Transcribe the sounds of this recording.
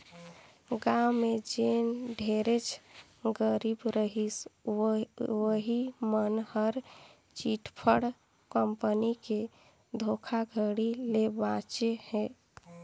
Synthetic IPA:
ɡamed͡ʒenɖʱeɾet͡ʃʰ | ɡəɾibɾəɦis | wəɦimənhəɾ | t͡ʃiʈpʰəɽ | kəmpənike | d̪ʱokʰaɡʱəɽilebãt͡ʃehɛ

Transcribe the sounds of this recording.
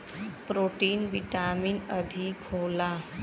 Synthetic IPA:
pɾoʈiːnʋiʈamiːnəd̪ʱikʰola

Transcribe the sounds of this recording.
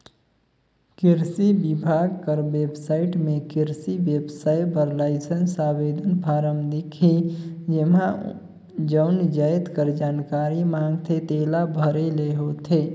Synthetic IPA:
kɪɾsibɪbʱaːɡkəɾwebsaːɪʈmẽkɪɾsiʋjebsaːjbəɾlaɪsənsaweːd̪ʱənpʰaːɾəmd̪ikʰid͡ʒemã | d͡ʒəʊnd͡ʒəjt̪kəɾd͡ʒaːnkaːɾimãŋɡt̪ʰet̪eːlabʱəɾeleɦot̪ʰe

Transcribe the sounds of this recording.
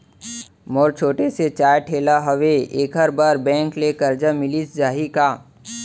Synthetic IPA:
mɔːɾt͡ʃʰoːʈeset͡ʃaːjʈʰeːlaɦɐʋeeːkɦəɾbaːɾbɛ̃ːŋklekɐɾd͡ʒamɪlisd͡ʒaːɦikaː

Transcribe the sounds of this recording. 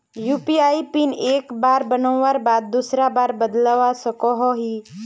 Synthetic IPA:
juːpiaːipineːkbaːɾbənɔ̃ʋaːɾbaːd̪̚ːusɾabaːɾbəd̪laʋasəkɔɦɔɦiː

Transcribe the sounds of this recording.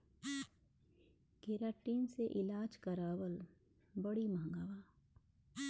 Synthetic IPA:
ɡeːɾaːʈiːnseʔɪlaːd͡ʒkɐɾaːwəl | bɐɽimɐɦŋɡaːʋaː

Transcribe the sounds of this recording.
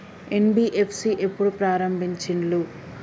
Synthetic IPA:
enbiːʔepʰsiʔe̞pːuɽupɾaːɾɐmbʱiɲt͡ʃiɳlu

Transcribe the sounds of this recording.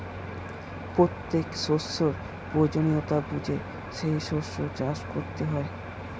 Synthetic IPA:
pɾot̪ːekʃosːoɾ | pɾod͡ʑoniot̪abud͡ʑʱe | ʃejʃoʃːod͡ʑaʃkoɾt̪eɦɔe

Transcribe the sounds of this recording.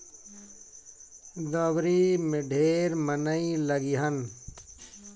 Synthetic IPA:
d̪əbɾiːmɪɖʱeːɾmənəiləɡiɦən

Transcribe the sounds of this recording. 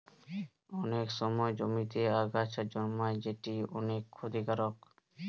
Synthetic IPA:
ɔnekʃɔmɔed͡ʑomit̪eaɡat͡ʃad͡ʑɔnmaed͡ʑeʈiɔnekʰːod̪ʱikaɾok

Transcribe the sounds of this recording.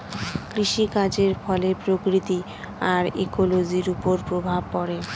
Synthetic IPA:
kɾiʃikad͡ʑeɾfɔlepɾokɾit̪i | aɾḛkolod͡ʑiɾupoɾpɾobʱab̚pɔɾe

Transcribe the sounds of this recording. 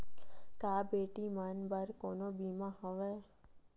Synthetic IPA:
kaːbeːʈimanbəɾkonobimãɦəʋe

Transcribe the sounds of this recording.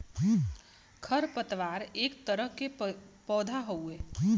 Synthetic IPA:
kʰəɾpət̪ʋaːɾeːkt̪əɾəɦkepɔːd̪ʱaɦoeː

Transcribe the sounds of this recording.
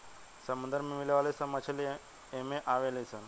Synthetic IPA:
sɐmund̪əɾmemileʋaːlesɐmɐt͡ʃʰəl | emẽʔaʋelesan

